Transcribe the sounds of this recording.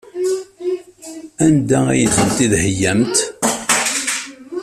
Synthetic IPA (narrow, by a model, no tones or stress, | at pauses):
ænd̪ææjəθənt̪iðhəjːæmt̪